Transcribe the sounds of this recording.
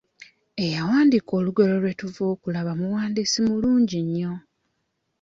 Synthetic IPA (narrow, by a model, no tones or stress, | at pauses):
e̞jawaːndiko̞ːluɡe̞lo̞lwe̞tuvoːkulaβamuwaːndisimuluːɲɟiɲːo̞